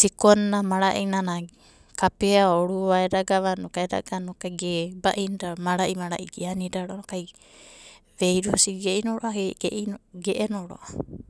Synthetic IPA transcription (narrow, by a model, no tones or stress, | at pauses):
sikonːamaɾaʔinana | kapeaoɾuaeɾaɡaβanokaeɾa̰ɡanokajɡebaʔinidamaɾaʔimaɾa̰ʔiɡianidaɾonokaj | βejɾusiɡeinoɾoʔahɡʔɡeʔenoɾo̰ʔa